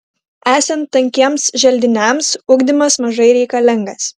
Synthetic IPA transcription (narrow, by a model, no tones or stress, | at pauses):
æːsʲɛnt̪ːɐŋʲkʲiɛmsʒʲɛlʲd̪ʲɪnʲɛˑmsʊɡd̪ʲɪmɐsmɐʒɐɪɾʲɛɪkɐlʲɪŋɡɐs